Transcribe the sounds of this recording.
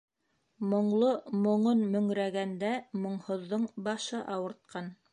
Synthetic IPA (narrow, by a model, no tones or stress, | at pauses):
mŏɴlˠomŏɴonmɵ̆ŋɾæɡænd̪æmŏɴhŏðːoɴbɑʃɤʔɑwɤ̆ɾt̪̚qʰɑn